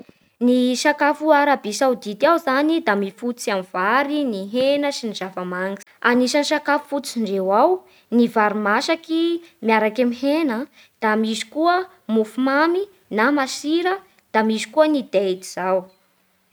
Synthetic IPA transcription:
niʃakafuaɾabisawd̪it̪iawzanid̪amifut͡siamiv̥aɾiniɦenəsiniz̥avamaŋɡi̥aniʃaniʃakafu̥fut͡siɳɖ͡ʐewaw | nivaɾimaʃakimiaɾakamihenə | d̪̥amizi̥kuə | mufumami | namasiɾə | d̪̥amizi̥kuənid̪ed̪iz̥aw

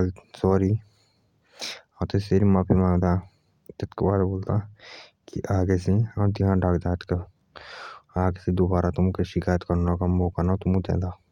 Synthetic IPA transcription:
lsɔːɾi | at̪eseɾimapʰimãːŋɡd̪aː | t̪ɐt̪kebaːd̪boːlt̪a | kiʔaːɡeseat̪iɦãɖaːkd̪aːt̪ke | aːɡesed̪oːbaːɾat̪ʊmkeʃɪkaːjət̪kɐɾnakamboːkanat̪ʊmũd͡ʒ̪ɛ̰ːd̪aː

